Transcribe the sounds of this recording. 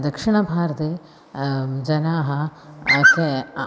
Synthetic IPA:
d̪ɐkʂɪɳɐbʱaːɾɐt̪eː | d͡ʒɐnaːɦɐte

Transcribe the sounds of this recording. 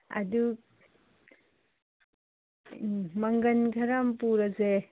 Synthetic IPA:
ɐ̰du | mɐŋɡɐnɡʰʱɐɾampuɾɐze

